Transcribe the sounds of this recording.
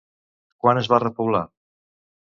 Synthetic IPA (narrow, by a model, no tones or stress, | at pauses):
kwanəzβarəpuwla